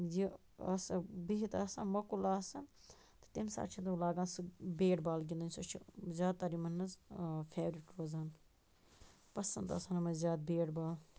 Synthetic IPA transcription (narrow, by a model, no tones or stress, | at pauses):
ji | ɐsɐbiɦit̪ɐːsanmɐkulaːsɐn | t̪ɨ̥t̪imsa̰ːʈt͡ʃʰit̪ɐlaːɡaːnsɨbeːɖbaːlɡʲind̪ɐnʲsɐt͡ʃʰizʲaːd̪̚t̪ːɐɾimɐnːɐzfʰeːʋɾiʈɾoːzaːn | pɐsɐ̰nt̪ɐ̰sɐnɐmɐzjaːd̪̚beːɽbaːl